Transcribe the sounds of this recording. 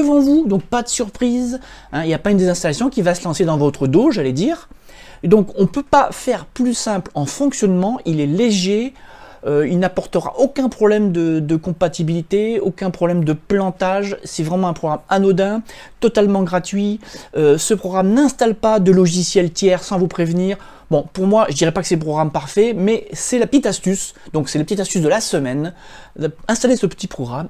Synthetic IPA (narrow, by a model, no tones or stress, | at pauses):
əvɑ̃vud̪ɔ̃k̚pad̪əsyʁpχizɛ̃iljapaynd̪ezɛ̃st̪alasjɔ̃kʲivasəlɑ̃sed̪ɑ̃vɔt̪χəd̪oʒaled̪iːʁ | d̪ɔ̃kɔ̃pøpafɛʁplysɛ̃plɑ̃fɔ̃ksjɔnmɑ̃ʔilɛleʒe | øilnapɔʁt̪əʁa̰ʔokɛ̃pχɔblɛmd̪əd̪əkɔ̃pat̪ibilit̪eokʲɛ̃pχɔblɛmd̪əplɑ̃t̪aʒsɛvʁɛmɑ̃ɛ̃pχɔɡʁamanod̪ɛ̃ | t̪ɔt̪almɑ̃ɡʁat̪ɥiøsəpχɔɡʁamnɛ̃st̪alpad̪əlɔʒisjɛlt̪jɛʁsɑ̃vupχevniːʁ | bɔ̃puʁmwaʒəd̪iʁɛpakə̥sɛləpχɔɡʁampaʁfɛmɛsɛlapət̪it̪ast̪ysd̪ɔ̃ksɛləpət̪it̪ast̪ysd̪əlasəmɛn | ɛ̃st̪alesəpə̥t̪ipχɔɡʁam